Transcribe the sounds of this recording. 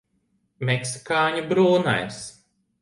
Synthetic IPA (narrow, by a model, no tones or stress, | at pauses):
meksi̥kaːɲubɾuːna̰js